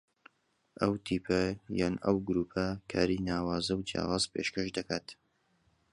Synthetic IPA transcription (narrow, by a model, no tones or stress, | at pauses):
ʔɐwt̪ʰiːpʰɐjanɐ̰wɡɾuːpʰɐkʰa̰ːɾinaːwaːzɐwd͡ʒja̰ːwaːzpʰeʃkɐʃd̪ɐkaːt̪